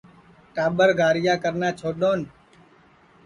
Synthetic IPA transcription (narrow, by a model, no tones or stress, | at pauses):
ʈaːɓəɾɡʱaːɾɪjaːkəɾnaːt͡ʃʰoːɗoːn